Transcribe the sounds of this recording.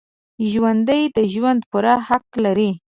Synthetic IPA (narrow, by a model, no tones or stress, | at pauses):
ʒwand̪əjd̪əʒwand̪puɾahaqlaɾi